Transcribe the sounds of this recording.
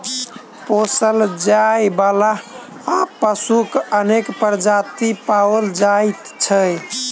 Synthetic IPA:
posəld͡ʒajbalaː | pəsukənekpəɾd͡ʒat̪ipawəld͡ʒajt̪t͡ʃʰəj

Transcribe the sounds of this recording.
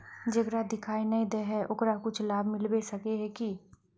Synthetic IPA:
d͡ʒɐɡɾad̪ɪkʰaːinɐĩd̪ɛɦɛʔʊkɾakʊt͡ʃʰlaːbmɪlbesɐkeɦɛki

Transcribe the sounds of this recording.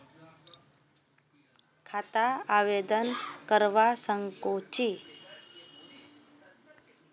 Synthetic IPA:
kʰat̪aaʋed̪ənkəɾʋasəŋkot͡ʃi

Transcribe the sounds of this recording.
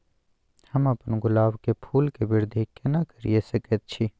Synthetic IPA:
hɐmɐpənɡʊlaːʋkepʰuːlkebɪɾd̪ʱikenakəɾḭesɐkət̪̚t͡ʃʰi

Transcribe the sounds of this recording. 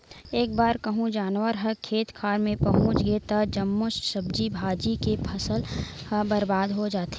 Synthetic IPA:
eːk̚baːɾkɐɦũd͡ʒaːnwəɾɦəkʰeːt̪kʰaːɾmẽpɐɦʊ̃t͡ʃɡet̪ɐd͡ʒəmːʊʃsəb̚d͡ʒibʱaːd͡ʒikepʰɐsəl | həbɐɾbaːd̪ɦod͡ʒaːt̪e

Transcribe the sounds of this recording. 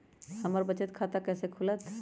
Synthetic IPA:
həməɾbət͡ʃət̪kʰat̪akɛːsekʰulət̪

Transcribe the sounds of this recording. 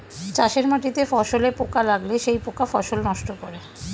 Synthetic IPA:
t͡ɕaʃeɾmaʈit̪efɔʃolepokalaɡleʃejpokafɔʃolnɔʃʈokoɾe

